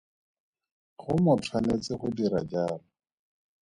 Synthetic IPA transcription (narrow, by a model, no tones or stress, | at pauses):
χʊmʊtʰwanet͡sɪχʊdiɾa̰d͡ʒaːrɔ